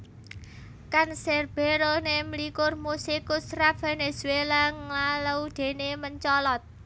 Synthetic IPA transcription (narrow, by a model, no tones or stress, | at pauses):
kansɛrb̥e̤ɾonemlikʊrmusɪkʊsrafenesuelaŋlaləud̪̥e̤neməɲt͡ʃɔlɔt̪̚